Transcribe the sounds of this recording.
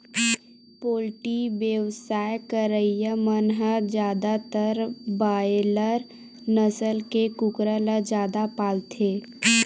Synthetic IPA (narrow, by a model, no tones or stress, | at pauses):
poːlʈibjəwsaːjkəɾəijəmənɦəd͡ʒjaːd̪at̪əɾbaːeləɾ | nəsəlkekʊkɾələd͡ʒaːd̪apaːlt̪ʰeː